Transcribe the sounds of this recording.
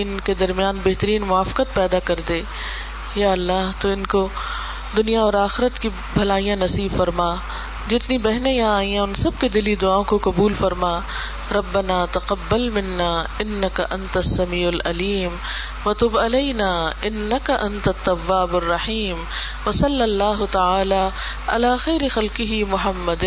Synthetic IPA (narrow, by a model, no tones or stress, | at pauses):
ɪnked̪ɐɾmijaːnbɛɦt̪əɾiːnmʊaːfɪ̥qət̪̚pɛːd̪akɐɾd̪eː | jaːɐlːaːɦt̪oɪnko | d̪ʊnijaɔːɾaːxɪɾət̪ki | bʱɐlaːijãnɐsiːbfɐɾmaː | d͡ʒɪɪt̪nibɛɦnejãaːijãʊnsɐb̚ked̪ɪlid̪ʊaːõkoqɐbuːlfɐɾmaː | ɾɐbːɐnaːt̪ɐqɐbːɐlmɪnːaːɪnːɐkɐʔɐnt̪ɐsːɐmiːʊlʔɐliːm | ʋɐt̪ʊbɐlɐɪnaːɪnːɐkɐʔɐ̃nt̪ɐt̪ːɐwːaːbɐrːɐħiːm | ʋɐsɐlːɐlːaːɦʊt̪ɐaːlaː | ʔɐ̰laːxɛːɾɪxɐlqɪɦimʊɦɐmːɐd̪